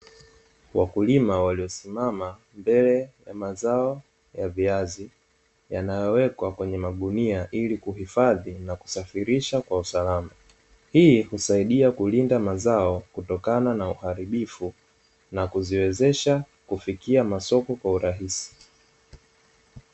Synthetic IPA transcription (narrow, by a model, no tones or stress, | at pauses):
wakulimawaliɔsimama | mbɛlɛjamazaɔ | javiazi | janajɔwɛkwakwɛɲɛmaɗuniaʔilikuhifaðinaku̥safiɾiʃakwausalama | hiːhusaiɗiakulindamazaɔkutɔkananauhaɾiɓifu | nakuziwɛzɛʃa | kufikiamasɔkɔkwauɾaɦisi̥